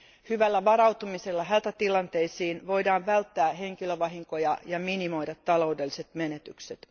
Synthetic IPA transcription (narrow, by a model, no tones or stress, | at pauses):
hyʋælːæʋɑɾɑwt̪umiselːɑɦæt̪æt̪ilɑnt̪e̞isiːnʋo̞jdɑːnʋælt̪ːæːɦe̞ŋkiløʋɑɦiŋkojɑjɑminimo̞jdɑt̪ːɑlo̞ude̞lːise̞t̪menet̪ykset̪